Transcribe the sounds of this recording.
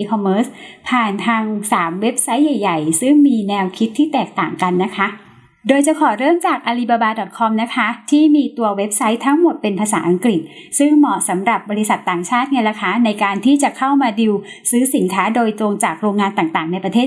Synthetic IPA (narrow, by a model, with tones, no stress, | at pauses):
i˧kʰɔ˧mːɤː˦˥spʰaː˨˩nt̪ʰaː˧ŋsaː˩˦mwe˦˥p̚sa˦˥jːa˨˩jːa˨˩jsɯ˥˩ŋmiː˧nɛː˧wkʰi˦˥t̪ʰːiː˥˩t̪ɛː˨˩k̚t̪aː˨˩ŋka˧nːa˦˥kʰa˦˥ | doː˧jt͡ɕa˨˩kʰɔː˨˩˦ɾɤː˥˩mt͡ɕaː˨˩k̚ʔaː˧liː˧˩baː˧baː˧dɔ˨˩t̪̚kʰɔ˧mna˦˥kʰa˦˥t̪ʰiː˥˩miː˧t̪u˧ɐwe˦˥p̚sa˦˥jt̪ʰa˦˥ŋmo˨˩t̪̚pe˧npʰaː˧saː˩˦ʔa˧ŋkɾi˨˩t̪̚ | sɯ˥˩ŋmɔ˨˩sa˩˦mɾa˨˩p̚bɔː˧ɾi˦˥sa˨˩t̪ːaː˨˩ŋt͡ɕʰaː˥˩t̪̚ŋa˧nɾa˧kʰaː˦˥na˧jkaː˧nt̪ʰiː˥˩t͡ɕa˨˩kʰa˥˩wmaː˧di˧w | sɯː˦˥si˩˦nkʰaː˦˥doː˧jt̪ɾo˧ŋt͡ɕaː˨˩k̚ɾoː˧ŋːaː˧nt̪aː˨˩ŋt̪aː˨˩ŋna˧jpɾa˧t̪ʰeː˥˩t̪